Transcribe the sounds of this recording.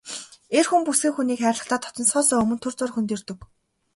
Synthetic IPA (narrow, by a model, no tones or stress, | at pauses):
erxumpusɡiːŋxuniːkχæːrʲɮə̆χt̪ʰaːt̪ʰɔ̥t̪ɞ̆nsɔːsɔːɵmɵ̆nt̪ʰɵrt͡sʊːrxunt̪eːrt̪ɵ̆k